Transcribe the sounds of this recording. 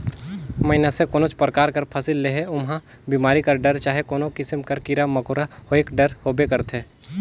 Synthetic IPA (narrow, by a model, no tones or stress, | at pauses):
mɐɪnasekoːnõt͡ʃpɾəkaːɾkɐɾpʰasɪlːeɦeʊmɦã | biːmaːɾikɐɾɖɐɾt͡ʃaːɦekoːnokɪsɪmkɐɾkɪɾamɐkʊːɾaoeːkɖɐɾhoːbekɐɾt̪ʰɦɛ̃ː